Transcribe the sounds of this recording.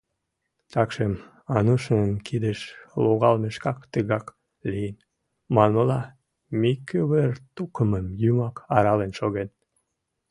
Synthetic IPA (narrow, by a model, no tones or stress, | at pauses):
t̪ɑkʃem | ɑnuʃnənkʰid̪əʃloɣɑlmeʃkɑkt̪əɣɑk | lijən | mɑnolɑ | mikøβərt̪ukəməmjymɑkɑɾɑlenʃoɣen